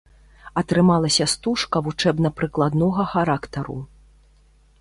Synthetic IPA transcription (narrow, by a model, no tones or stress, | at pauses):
ɐt̪ɾɨmalˠɐsʲɐst̪uʂkɐvut͡ʂɛbn̪ɐpɾɨklˠad̪nɔɣɐxaɾakt̪ɐɾṵ